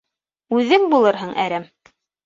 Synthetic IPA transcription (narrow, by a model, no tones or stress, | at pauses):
ʉðɘŋbulˠɤɾɦɤɴʔæ̰ɾæm